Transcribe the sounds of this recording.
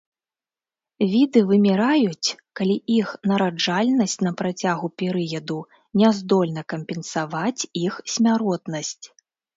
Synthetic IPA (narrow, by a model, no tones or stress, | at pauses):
vʲid̪ɨvɨmʲɛɾajut͡sʲkalʲiixnɐɾad͡ʐalʲnɐsʲt͡sʲn̪ɐpɾat͡sʲaɣupʲɛɾɨjɐd̪u | nʲɛzd̪ɔlʲn̪ɐkɐmʲpʲɛnsavat͡sʲixsʲmʲaɾɔt̪nɐsʲt͡sʲ